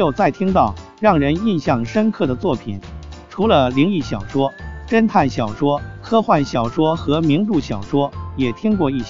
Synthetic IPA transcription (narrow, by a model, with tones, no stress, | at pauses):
jo˨˩ʊt͡sa˥˩ɪt̪ʰi˥ŋt̪ɑ˥˩ʊ | ɻɑ˥˩ŋɻə˧˥ni˥˧nɕjɑ˥˩ŋʂə˥nkʰɤ˥˩d̪ə˩t͡swɔ˥˩pʰi˨˩nʈ͡ʂʰu˧˥lə˧li˧˥ŋi˥˩ɕjɑ˨˩ʊʂwɔ˥ʈ͡ʂə˥nt̪ʰa˥˩nɕjɑ˨˩ʊʂwɔ˥kʰɤ˥xwa˥˩nɕjɑ˨˩ʊʂwɔ˥xɤ˧˥mi˧˥ŋʈ͡ʂu˥˩ɕjɑ˨˩ʊʂwɔ˥jɛ˨˩t̪ʰi˥ŋkwɔ˥˧i˥˩ɕ